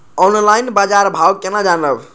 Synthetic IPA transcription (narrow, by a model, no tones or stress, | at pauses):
ɔnlajnbad͡ʒaɾbʱawkenad͡ʒanɾəb